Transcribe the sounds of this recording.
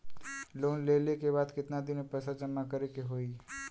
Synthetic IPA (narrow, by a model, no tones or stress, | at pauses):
loːnlelekeβaːd̪kɪt̪nad̪ɪnepɛsad͡ʒəmːakəɾekeɦoːi